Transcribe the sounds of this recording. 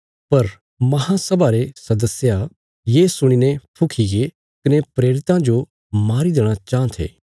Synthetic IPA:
pɐɾ | mɐɦãsɐbʱaɾesɐd̪əsja | jeːsʊɽ̃inẽpʰʊkʰiɡe | kɐnepɾeːɾɪt̪ãd͡ʒo | maːɾid̪eːɽ̃at͡ʃãːt̪ʰḛː

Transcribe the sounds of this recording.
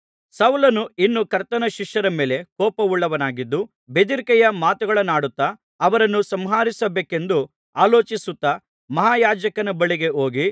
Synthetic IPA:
sɐwlɐnuinːukɐɾt̪ɐnɐʃiʂjɐɾɐme̞ːle̞kɔːpɐuɭːɐʋɐnaːɡid̪ːu | bed̪iɾkɛjɐmaːt̪uɡɐɭɐnːaːɽut̪ːɐː | ʋɐɾɐnːusɐmɦaːɾisɐbeːke̞nd̪u | aːloːt͡ʃisut̪ːɐ | mɐɦaːjaːd͡ʒɐkɐnɐbɐɭiɡe̞o̞ːɡi

